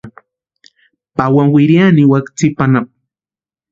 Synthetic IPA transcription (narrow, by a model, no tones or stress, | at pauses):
pawaŋwɪɾjaniwakt͡sipanap̚